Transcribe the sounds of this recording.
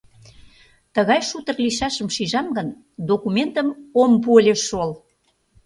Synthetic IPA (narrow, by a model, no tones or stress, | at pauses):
t̪əɣɑjʃut̪ə̆rliʃɑʃə̆mʃiʒɑmɡən | d̪okumʲent̪əmompuəlʲeʃol